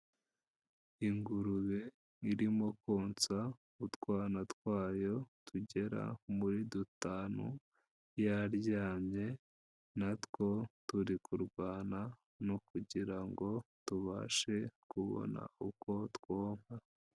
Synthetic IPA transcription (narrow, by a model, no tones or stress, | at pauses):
iŋɡuɾuβe | iɾimo̞koːnt͡sa | utɡwaːnatkwaːjo̞tuɟe̞ɾa̰muɾidutaːnu | jaɾɟaːmɲe̞ | natko̞tuɾikʰuɾɡwaːna | nukuɟiɾaŋɡo̞tuβa̰ʃe̞kuβo̰na̰uko̞tkwoːm̥ha